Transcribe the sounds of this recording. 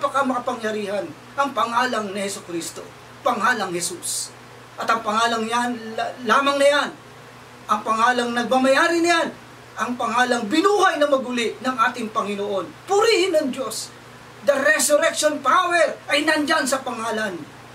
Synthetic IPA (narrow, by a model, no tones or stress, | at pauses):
pɐkamɐkɐpɐŋjɐɾiːhɐn | ʔɐŋpɐŋaːlɐŋnɪhɛsʊkɾist̪o̞̰ | pɐŋaːlɐŋhɛsus | ʔɐt̪ɐŋpɐŋaːlɐŋjanlaːmɐŋnɐjan | ʔɐŋpɐŋaːlɐŋnɐɡ̚mamɐjaːɾɪnɪjan | ʔɐŋpɐŋaːlɐŋbɪnuːhɐjnɐmɐɡʊlɪʔnɐŋʔaːt̪ɪŋpɐŋɪnoʔo̞npʊɾihɪnɐŋd̪o̞s | d̪ɐɾɛsʊɾɛkʃonpawɛɹʔɐjnɐɐnd͡ʒansɐpɐŋaːlɐn